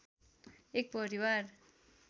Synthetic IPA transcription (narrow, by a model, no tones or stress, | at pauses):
ek̚pʌɾiwar